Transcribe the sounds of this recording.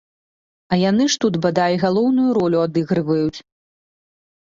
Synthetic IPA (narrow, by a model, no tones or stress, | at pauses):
ɐjanɨʂt̪ud̪bad̪ajʲiɣalˠɔwnujuɾɔlʲuad̪ɨɣɾɨvɐjut͡sʲ